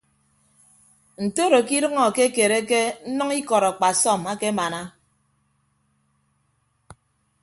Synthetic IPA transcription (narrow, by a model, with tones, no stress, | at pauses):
n̩˨to˦ɾo˨ki˦ɾɨ˦ŋɔ˨ke˦ke˨ɾe˦ke˦n̩˦nʌ˦ŋi˦kɔ˨ɾa˨k͡pa˨sɔ˦˨ma˦ke˦ma˨na˦